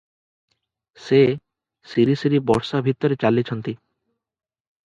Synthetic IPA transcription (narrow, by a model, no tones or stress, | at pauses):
se | siɾisiɾibɔɾʃabʱit̪ːoɾet͡ɕalːit͡ɕʰont̪i